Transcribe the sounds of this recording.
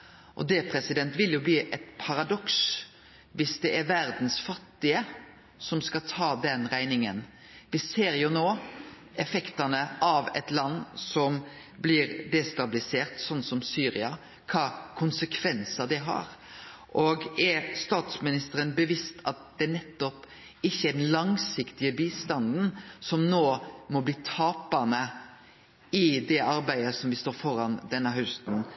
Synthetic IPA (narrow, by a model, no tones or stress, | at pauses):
ʔɔ̰d̪ɛpʰɾɛsɪd̪ɛnt̪ʋɪljʊbliːʔɛt̪pʰɑɾɑd̪ɔks | ʋɪsd̪ɛʔæɾʋæɾd̪n̩sfɑt̪ːɪə | sɔmskɑt̪ʰɑːd̪ɛnɾæɪnɪŋən | ʋɪseːɾjʊnoː | ɛfɛkt̪ɑnəʔɑʋɛ̰t̪lɑnːsɔm | blɪɾd̪ɛst̪ɑblɪseːɾt̪sɔnːsɔmsyːɾɪɑ | kʰɑːkʰʊnsəkʰʋɛnsɑd̪ɛɦɑ̰ɾ | ʔɔɡɛst̪ɑːt̪smɪnɪst̪əɾənbəʋɪst̪ʰɑt̪̚d̪̥ɛnɛt̪ːɔp | ɪçːəæd̪ɛnlɑŋsɪkt̪ɪəbiːst̪ɑnd̪n̩sɔmnoːmɔbliːt̪ʰɑːpɑnə | ɪd̪ɛʔɑɾbæɪəsɔmʋɪst̪oːɾfɔɾɑnd̪ɛnːəɦœʉst̪n̩